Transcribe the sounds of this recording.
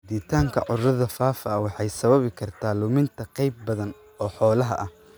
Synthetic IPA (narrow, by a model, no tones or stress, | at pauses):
d̪iːt̪ʰaːŋkʰɐ̰ʕʊrɐðɐfaːfɐɐwɑħɑjsɐβɐβɪkʰɐrt̪ʰaːlʊmɪnt̪ʰɐqɑjb̚ːɐðɐn | ɔːħɔːlɐɦɐ̰ʔɐh